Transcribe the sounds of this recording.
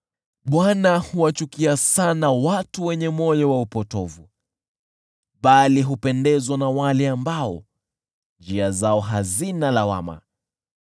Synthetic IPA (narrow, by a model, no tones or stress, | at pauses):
ɓwanahuwat͡ʃukiasanawatuwɛɲɛmɔjawaupɔtɔvu | ɓaliɦupɛndɛzwanawalɛambaɔ̰ | nd͡ʒiazaɔɦazinalawa̰ma̰